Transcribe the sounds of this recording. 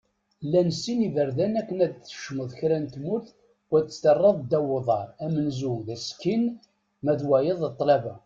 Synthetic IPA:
lːænəsːinivəɾðænækːənæd̪θə̥ʃməðˤçɾænt̪mʊɾθ | wæt͡s̪ːə̥st̪ərˤːəðˤd̪æwoðˤɑɾˤæmənzuðæskin | mæðwæjəðˤət̪ˤːlævæ

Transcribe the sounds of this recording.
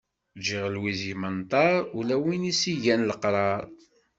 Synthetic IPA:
d͡ʒiʁlwizjmənt̪ˤɑɾˤulæwinisiʝænləqɾˤɑɾˤ

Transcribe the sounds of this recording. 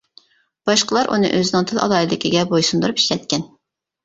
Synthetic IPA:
b̥ɑʃqəlˠɑɾʔṵnɨ̰ʔøzɪnɪŋt̪ʰɨlˠɑ̰lˠɑːilɪkʲiɡʲɛbojsund̪uɾupi̥ʃlɛt̪̚kʲɛn

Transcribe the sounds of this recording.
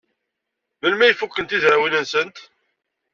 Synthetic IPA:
vəlmæjfukːənt̪izɾawinənsənt̪

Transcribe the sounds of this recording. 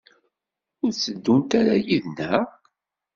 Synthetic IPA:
ʊɾt͡sːəd̪ːunt̪aɾajiðnæ

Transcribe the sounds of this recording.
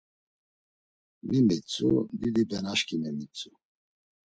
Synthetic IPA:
mimit͡sʼud̪id̪ibɛnaʃkʼimɛmit͡sʼu

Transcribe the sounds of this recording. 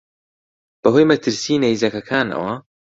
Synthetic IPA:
b̥ɐɦojmɐt̪ʰɨɾsiːnejzɐkɐkʰaːnɐ̰wɐ

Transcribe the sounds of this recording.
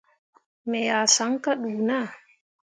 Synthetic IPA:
mɛjasaŋkaɗuːna

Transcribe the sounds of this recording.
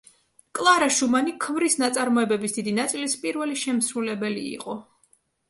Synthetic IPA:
kʼlˠaɾaʃumanikʰmɾisnat̪sʼaɾmɔɛbɛbisd̪̥id̪inat̪sʼilispʼiɾvɛliʃɛmsɾulɛbɛlḭḭqʼɔ

